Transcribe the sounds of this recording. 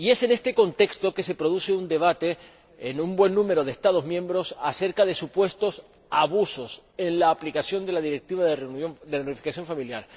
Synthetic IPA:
ie̞se̞ne̞st̪e̞ko̞nt̪e̞kst̪o̞ke̞se̞pɾo̞ðuse̞und̪e̞β̞at̪e̞ː | numbwe̞nːũme̞ɾo̞ð̞est̪að̞ozmjẽ̞mbɾo̞sase̞ɾkaðe̞supwe̞st̪o̞s | aβuso̞se̞nlaːplikasjo̞nd̪e̞laðiɾe̞k̚t̪iβaðerod̪eɾɾifikasjo̞ɱfamiljaɾ

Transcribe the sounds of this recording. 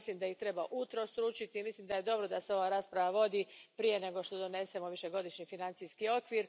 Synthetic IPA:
slimd̪aiçt̪ɾe̞baʔut̪ɾost̪ɾuːt͡ʃit̪imislimd̪aje̞d̪o̞bɾo̞d̪aseo̞ʋaːɾaːspɾaʋaʋo̞d̪ipɾije̞ne̞ɡo̞ʃt̪o̞d̪o̞ne̞se̞mo̞ʋiʃe̞ɡo̞d̪iʃɲifinant̪siskio̞kʋiːɾ

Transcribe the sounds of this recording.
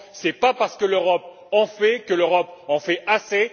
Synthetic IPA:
sɛpapaʁsə̥kəløʁɔp | ɑ̃fɛkəløʁɔpɑ̃fɛʔase

